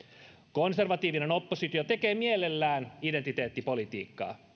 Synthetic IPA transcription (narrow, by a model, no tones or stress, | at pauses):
ko̞nse̞rʋɑt̪iːʋine̞no̞pːosit̪iot̪e̞ke̞ːmiele̞lːæːnident̪it̪e̞ːt̪ːipo̞lit̪ḭːkːɑ̰ː